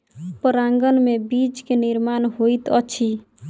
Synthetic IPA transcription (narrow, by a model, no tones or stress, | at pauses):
pəɾaŋɡənmebit͡ʃkeniɾmanɦoit̪ʌt͡ʃʰi